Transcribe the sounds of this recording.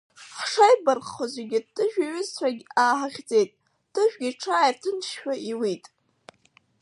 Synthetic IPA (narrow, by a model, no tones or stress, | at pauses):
χʂajbarχχozʷeɡʲɪtʼːɨʒᶣaɥɪzt͡ɕʰʷaɡʲaːħaχʲd͡ze̞jtʼ | d̥ɨʒᶣɡʲiʈ͡ʂʰaːjrdʰɨnʃħᶣaʔiwitʼ